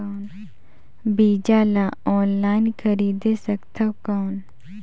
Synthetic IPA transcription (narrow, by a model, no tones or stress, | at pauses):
n | biːd͡ʒaːlaɔːnlaːɪnkʰəɾiːd̪esəkt̪ʰəkaːn